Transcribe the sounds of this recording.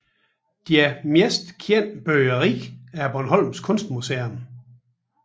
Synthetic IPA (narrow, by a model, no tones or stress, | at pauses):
d̥iæmjesd̥kʰjen̰b̥øəʁiæɐb̥ɒnɦɒ̽l̰mskʰɔ̽nsd̥museɐn